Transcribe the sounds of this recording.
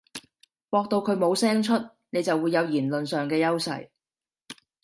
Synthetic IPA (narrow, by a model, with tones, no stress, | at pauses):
wɔː˧k̚t̪o˧wkʰɵ˨˧ɥmo˨˧wsɛː˥ŋt͡ʃʰɵ˥t̚ | ne˨˧jt͡sɐ˨wːuː˨˧jːɐ˨˧wjiː˨˩nlɵ˨nsœː˨ŋkɛː˧jɐ˥wsɐ̰˨j